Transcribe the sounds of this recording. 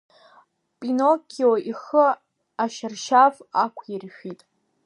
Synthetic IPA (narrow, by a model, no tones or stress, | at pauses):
pʼinokʲʰioʔiχə | aʃɪrʃavakʷʰirʃᶣitʼ